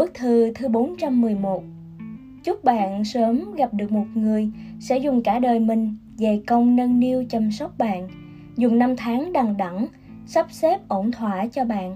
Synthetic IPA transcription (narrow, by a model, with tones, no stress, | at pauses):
ɓɨ˦˥k̚t̪ʰɨ˨˩t̪ʰɨ˧ɓo˨˦nt͡ɕa˧mːɨ˨˩əjmo˨˩t̚ | t͡ɕʊ˦˥k͡p̚ɓa̰ː˧˨nsəː˨˦mɣa˨˩p̚ɗɨ˨˩ək̚mo˨˩t̚ŋɨ˨˩əjsɛ̰˧˥zʊ˨˩ŋ͡mkaː˧˩ɗəː˨˩jmï˨˩ŋ̟ | ve˨˩kə˧wŋ͡mnə˧nːi˧əwt͡ɕə˨˩msə˦˥wk͡p̚ɓa̰ː˧˨n | zʊ˨˩ŋ͡mna˧mt̪ʰaː˨˦ŋɗa˨˩ŋɗa˧˩ŋ | sa˦˥p̚sɛ˦˥p̚ʔo˧˩nt̪ʰwaː˧˩t͡ɕɔ˧ɓa̰ː˧˨nʔ